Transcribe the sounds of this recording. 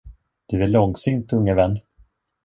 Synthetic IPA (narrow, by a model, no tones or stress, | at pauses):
d̪̥ɵvæɭɔŋsɪŋnt̪ɵŋːavɛnː